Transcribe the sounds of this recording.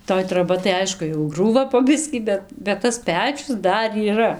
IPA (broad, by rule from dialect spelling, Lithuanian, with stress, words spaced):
toːj troːˈbɐ tɐɪ ˈɐɪʃkʊ jɛʊ ˈɡruːʋɐ poː ˈbʲɪsʲkʲiː ˈbʲɛt bʲɛt tɐs ˈpʲæːt͡ʃʲʊs ˈdɐr iːˈrɐ